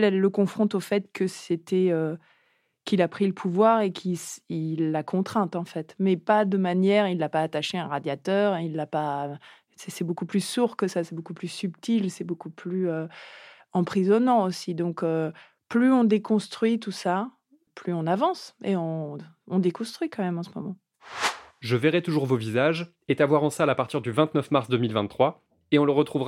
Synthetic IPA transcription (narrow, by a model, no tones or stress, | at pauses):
lɛlːəkɔ̃fχɔ̃t̪ofɛt̪kəset̪ɛø | kilapχiləpʰuvwaʁekʰisilːakʰɔ̃t̪χɛ̃t̪ɑ̃fɛt̪mɛpad̪əmanjɛʁilːapaːt̪aʃeɛ̃ʁad̪jat̪œʁɛ̃ilːapa | sɛsɛbokuplysuʁkəsasɛbokuplysypt̪ilsɛbokuplyø | ɑ̃pχizɔnɑ̃osid̪ɔ̃kø | plyɔ̃d̪ekɔ̃st̪χɥit̪usa | plyɔ̃navɑ̃seɔ̃ | ɔ̃d̪ekɔ̃st̪χɥikɑ̃mɛmɑ̃səmɔmɑ̃ | ʒəvɛʁɛt̪uʒuʁvovizaʒ | et̪avwaʁɑ̃salapaʁt̪iʁd̪yvɛ̃t̪nœfmaʁsd̪əmilvɛ̃t̪ːχwa | eɔ̃ləʁət̪χuvʁ